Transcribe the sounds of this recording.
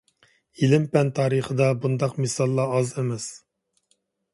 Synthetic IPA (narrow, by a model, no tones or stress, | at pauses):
ilɪmpɛnt̪ʰɑːɾəχəd̪ɑbund̪ɑqmɪsɑlˠːɑɑzemɛs